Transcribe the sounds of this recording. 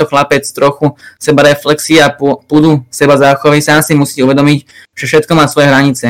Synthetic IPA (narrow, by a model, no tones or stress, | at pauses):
ɔxlapɛt͡st̪ɾɔxusɛbaɾɛflɛksiappud̪usɛbazaːxɔʋisaːmsimusiːcɛuʋɛd̪ɔmicʒ̥ɛfʃɛt̪̚kɔmaːsʋɔjɛɦɾaɲit͡sɛ